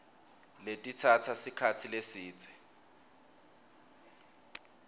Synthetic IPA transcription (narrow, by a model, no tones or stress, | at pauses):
letʼit͡sʰat͡sʰasikʰat͡sʰilesiːt͡sʼɛ̥